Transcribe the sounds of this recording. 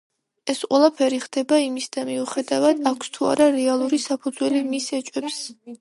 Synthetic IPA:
ɛsqʼwɛlˠapʰɛɾiχd̪̥ɛbaimisd̪amiuχɛd̪avad̪akʰst̪ʰua̰ɾaɾɛalˠuɾisapʰud̪zwɛlimisɛt͡ʃʼwɛps

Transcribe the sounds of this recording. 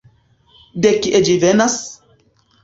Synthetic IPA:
dekiʔed͡ʒivɛnas

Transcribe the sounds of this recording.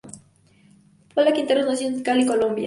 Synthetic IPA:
polakint̪eɾonosent̪kalikolombja̰

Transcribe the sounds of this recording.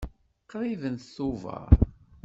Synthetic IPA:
qːɾˤivənθθuvə̰ɾ

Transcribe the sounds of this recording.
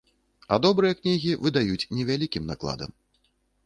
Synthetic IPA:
ad̪ɔbɾɨjɐknʲiɣʲivɨd̪ajut͡sʲnʲɛvʲalʲikʲimnaklˠa̰d̪ɐ̰m

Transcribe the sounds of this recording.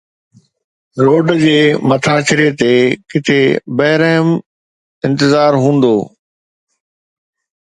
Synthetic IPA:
ɾoːɖd͡ʑeːmɐt̪ʰaːt͡ɕɪɾet̪eːkɪt̪ʰebɐɦɪɾəɦɪm | ɪ̃nt̪ɪzaːɾɦũːn̆d̪oː

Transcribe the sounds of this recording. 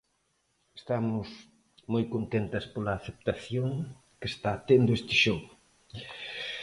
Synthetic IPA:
est̪amʊs | mojkont̪ent̪ɐspolɐːθep̚t̪aθjoŋ | kest̪aːt̪end̪oest̪ɪʃoɣ

